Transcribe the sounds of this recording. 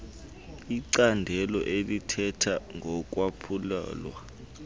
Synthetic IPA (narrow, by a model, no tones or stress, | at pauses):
iǀandʱɛlɔ̰ʔelitʰɛtʰaŋʱɔk̬ʼwapʰula̰ːlwa